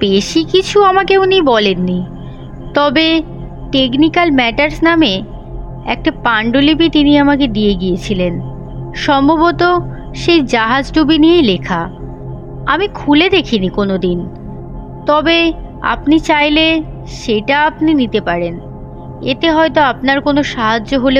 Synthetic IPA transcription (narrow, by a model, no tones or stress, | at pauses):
beʃikit͡ɕʰuamakeunibɔlenːi | t̪ɔbe | ʈek̬nikalmɛʈaɾsname | ɛ̰k̚ʈapaɳɖolipit̪iniamaked̪ieɡijet͡ɕʰilen | ʃɔmbobot̪o | ʃejd͡ʑaɦad͡ʑʈubiniejlekʰa | amikʰuled̪ekʰinikonod̪in | t̪ɔbe | a̰pnit͡ɕajle | ʃeʈaapninit̪epaɾen | et̪eɦɔet̪oap̚naɾkonoʃaɦad͡ʑːoɦole